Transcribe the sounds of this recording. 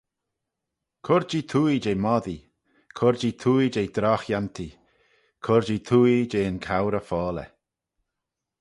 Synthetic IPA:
kʰʊɾd͡ʒit̪ʰuːjid͡ʒejmɔd̪i | kʰʊɾd͡ʒit̪ʰuːid͡ʒejd̪ɾɔxjant̪ʰi | kʰʊɾd͡ʒit̪ʰuːjid͡ʒeːənkʰawɾəfɔːlɛ̰

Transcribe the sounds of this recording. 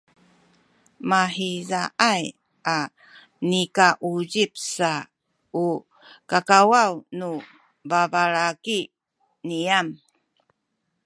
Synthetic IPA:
maħizaʔaj | a | nikaʔuɟip̚sa | u | kakawawnu | vavaɭaki | niam

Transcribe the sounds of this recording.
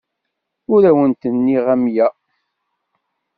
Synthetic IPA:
ʊɾæwənt̪ənːiʁæmjæ

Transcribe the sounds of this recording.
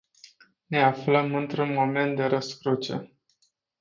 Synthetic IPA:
ne̞afləmɨnt̪ɾunmo̞me̞nt̪̚d̪e̞ɾəskɾut͡ʃḛ

